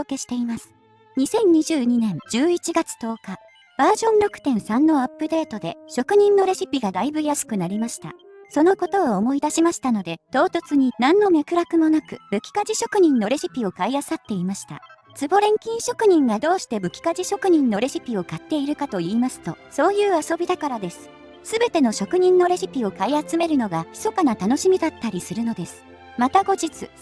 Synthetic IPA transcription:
oke̞ɕi̥t̪e̞imasɨ̥ | ɲ̟isẽ̞ɲ̟ɲiʑɨːɲ̟inẽ̞nd͡ʑɨːit͡ɕiɡat͡sɨ̥t̪o̞ːka | b̥aːʑõ̞nɾo̞kɯ̟̥t̪ẽ̞ɰ̃sãnːo̞apːɯ̟d̪e̞ːt̪o̞d̪e̞ɕo̞kɯ̟ɲ̟ĩnːo̞ɾe̞ɕipʲiɡad̪aibɯ̟jasɨ̥kɯ̟naɾʲimaɕi̥t̪a̰so̞no̞ko̞t̪o̞ːmo̞id̪aɕimaɕi̥t̪ano̞d̪e̞t̪o̞ːt̪ot͡sɨɲ̟inãnːo̞me̞kɯ̟ɾakɯ̟mo̞nakɯ̟bɯ̟kʲi̥kaʑiɕo̞kɯ̟ɲ̟ĩnːo̞ɾe̞ʑipʲio̞kaiasat̪ːe̞imaɕi̥t̪a̰ | t͡sɨbo̞ɾẽ̞ŋkʲĩɰ̃ɕo̞kɯ̟ɲ̟ĩŋɡad̪o̞ːɕi̥t̪e̞bɯ̟kʲi̥kaʑiɕo̞kɯ̟ɲ̟ĩnːo̞ɾe̞ɕipʲio̞kat̪ːe̞iɾɯ̟kat̪o̞iːmasɨ̥t̪o̞̰so̞ːjɯ̟ːaso̞bʲid̪akaɾad̪e̞sɨ̥ | sɨbe̞t̪e̞no̞ɕo̞kɯ̟ɲ̟ĩnːo̞ɾeɕʲipʲio̞kaiat͡sɨme̞ɾɯ̟no̞ɡaçʲi̥so̞kanat̪ano̞ɕimʲid̪at̪ːaɾʲisɨɾɯ̟no̞d̪e̞sɨ̥ | mat̪aɡo̞d͡ʑit͡sɨ̰

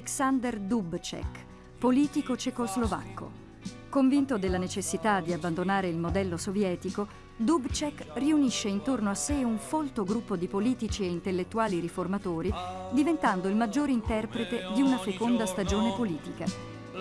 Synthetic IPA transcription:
eksand̪erd̪ubt͡ʃɛ̰k | poliːt̪ikot͡ʃekozlova̰kːo̰ | koɱvint̪od̪elːanet͡ʃesːit̪ad̪ːiabːand̪onaːɾeilmod̪ɛlːosovjɛːt̪iko | d̪ubt͡ʃɛkriuniʃːeint̪ornoasːeuɱfolt̪oɡɾupːod̪ipoliːt̪it͡ʃieint̪elːet̪ːuaːliɾiformat̪oːɾid̪ivent̪and̪oilmad͡ʒːoːɾeint̪ɛrpɾet̪ed̪iunasekond̪ast̪ad͡ʒoːnepoliːt̪ika

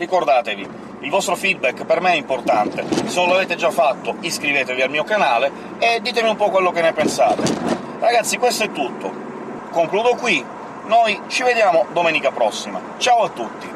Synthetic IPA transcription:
rikord̪aːt̪evi | ilvɔst̪ɾofid̪̚bɛkːpermeɛimport̪ant̪esenõnloaveːt̪ed͡ʒafːat̪ːoiskɾiveːt̪evialmiːokanaːle | ed̪ːiːt̪emiumpɔkːwelːokenːepensaːt̪e | raɡat̪sːikwest̪oɛt̪ːut̪ːo̰ | koŋkluːd̪okwi | nojt͡ʃived̪jaːmod̪omɛːnikapɾɔsːima̰ | t͡ʃaːwat̪ːut̪ːi

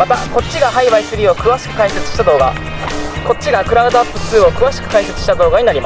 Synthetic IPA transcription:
mat̪ako̞t͡ɕːiɡaɦaiβaisɨɾʲiːo̞kɯ̟βaɕi̥kɯ̟kãĩse̞t͡sɨ̥ɕi̥t̪ad̪o̞ːɡa̰ | ko̞t͡ɕiɡakɯ̟ɾaɯd̪oapːɯ̟t͡sɨːo̞kɯ̟βaɕi̥kɯ̟kaise̞t͡sɨ̥ɕi̥t̪ad̪o̞ːɡaɲ̟inaɾimass

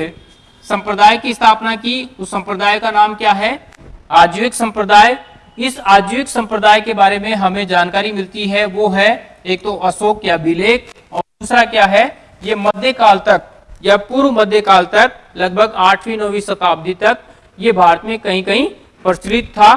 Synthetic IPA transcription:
sɐ̃mpɾəd̪aːjkist̪ʰaːpnakiʊsɐ̃mpɾəd̪aːjkanaːmkjaːɦɛ | aːd͡ʒjuɪksɐ̃mpɾəd̪aːj | ɪsaːd͡ʒ̪juɪksɐ̃mpɾəd̪aːjkebaːɾemẽɦɐmẽd͡ʒaːnkaːɾimɪlt̪iɦɛʋoɦɛ | eːk̚t̪oʔɐsoːkjabɪleːk̚ | ɔːɾd̪uːsɾakjaːɦɛ | jemɐd̪ʱjekaːlt̪ɐk̚ | japuːɾmɐd̪ʱjəkaːlt̪ɐk̚lɐɡ̚bʱəɡaːʈʰʋinoːwisɐt̪aːb̚d̪ʱit̪ɐk̚ | jebʱaːɾət̪mẽkɐɦĩkɐɦĩ | pɾɪt͡ʃɾɪt̪ʰːaː

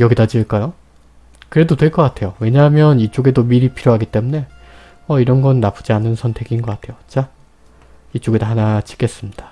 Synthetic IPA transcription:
jʌɡidad͡ʑiɯɭk͈ajo | kɯɾe̞dodwe̞ɭk͈ʌk͈atʰe̞jowe̞ɲaɦmjʌnit͡ɕ͈oɡe̞domiɾipʰiɾjoɦaɡit͈e̞mune̞ | ʌiɾʌnɡʌnːapʰɯ̥d͡ʑianːɯnsʰʌntʰe̞ɡinɡʌk͈atʰe̞jot͡ɕ͈a | it͡ɕ͈oɡedaɦanat͡ɕi̥k͈e̞s͈ɯmɲid̥ḁ

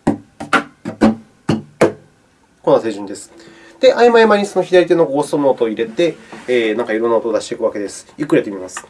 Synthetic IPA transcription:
ko̞nːase̞ːʑɨ̃nd̪e̞sɨ̥ | d̪̥e̞ʔaimaimaɲ̟iso̞no̞çid̪aɾʲit̪enokost̪omonot̪oːiɾe̞t̪e̞ːnãŋkaiɾo̞nːaot̪oːd̪aɕit̪ekɯβake̞d̪e̞sɨ̥jɯkːɯɾe̞t̪emʲimasɨ̥

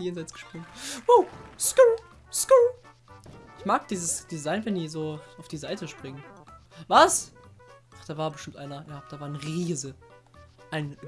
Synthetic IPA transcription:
jeːnzaɪt͡sɡ̥ə̥ʃpʁ̥ɪŋosku | sku | ʔɪçmaːkd̥iːzəsd̥izaɪnvɛndiːzoːaʊfd̥iːzaɪtəʃpʁ̥ɪŋəvas | ʔaχd̥aːvaːɐbəʃtɪmtʔaɪnɐjaːd̥aːvaːɐnəʁiːzə | ʔaɪn

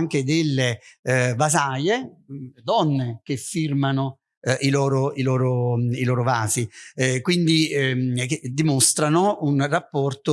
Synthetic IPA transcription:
ŋk̟ed̪elːevazajed̪ɔnːek̟efːirmano | ʔilɔːɾoilɔːɾoilɔːɾovaːzikwind̪ikd̪imost̪ɾanounrapːɔrt̪o

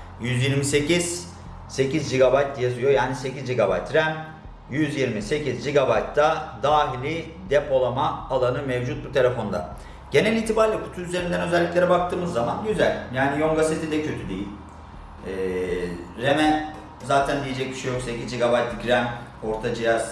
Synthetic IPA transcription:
jyzjiɾmise̞ciz̥ | se̞cizd͡ʒiɡabajt̪̚ːjazɯjo̞jaːnise̞cizd͡ʒiɡaba̰jt̪ɾæm | jyzjiɾmise̞cizd͡ʒiɡabajt̪d̪ad̪aːɦilʲi | d̪ɛpʰo̞lˠamaːlˠanɯmɛvd͡ʒut̪̚but̪ʰe̞lʲefo̞nd̪a̰ | ɟ̥e̞nɛlʲiːt̪ʰibaɾlʲɛkʰu̥t̪ʰuyzeɾind̪ænø̞zɛlʲːiclʲe̞ɾɛbak̚t̪ʰɯːmɯzːamanɟyzælʲjaːnijo̞ŋɡaset̪ʰid̪ɛcʰø̞t̪ʰyd̪ejilʲ | ɛː | ɾemɛ | zaːt̪ʰænd̪ije̞d͡ʒɛc̚biʃejo̞kse̞cizd͡ʒiɡabajt̪ɡɾæmo̞ɾt̪ʰad͡ʒijaz̥

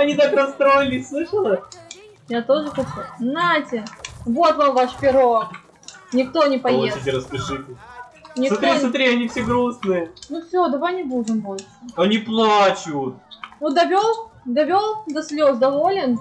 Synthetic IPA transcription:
ɐnʲit̪akɾɐst̪ɾoɪlʲɪslˠɨʂəlˠə | jat̪o̞ʐɨxɐt͡ɕuznatʲɪvo̞t̪vamvaʂpʲɪɾo̞ | nʲɪkt̪o̞nʲɪpɐjeɪɾəspʲɪʂɨtʲɪ | nʲɪkst̪ɾʲisʊt̪ɾʲiɐnʲifsʲeɡɾusnɨjənufsʲod̪ɐvajnʲɪbudʲɪmbo̞lʲʂəɐnʲiplˠat͡ɕʊt̪̚ud̪ɐvʲolˠd̪ɐvʲo̞lˠd̪ɐsʲlʲozd̪ɐvo̞lʲɪn

